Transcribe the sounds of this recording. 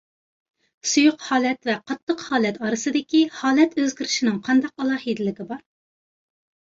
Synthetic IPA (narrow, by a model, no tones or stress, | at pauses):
sujʊqhɑːlˠɛt̪vɛqʰɑt̪ːəqhɑːlˠɛt̪ɑɾɨsɨd̪ɪkʲihɑːlˠɛt̪ʰøzɡʲiɾɪʃinɪŋqʰɑnd̪ɑqɑlˠɑːhid̪ɪlɪɡʲibɑɾ